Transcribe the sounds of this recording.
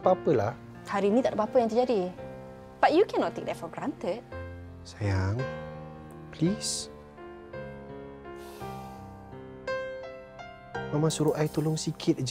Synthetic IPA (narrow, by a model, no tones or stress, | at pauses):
papəlah | haɾiːnit̪aʔdəpapəjaŋt̪əd͡ʒadi | b̥aʔjukʰɛnɔtt̪ɪk̚d̪afɔɡɾãnt̪ət̚ | sajaŋ | plis | mamasuɾuʔajt̪ulʊŋsikʰɪt̪̚d͡ʒ